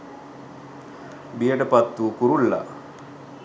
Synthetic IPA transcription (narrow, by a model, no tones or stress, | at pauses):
bijəʈəpat̪ːuːkuɾulːa̰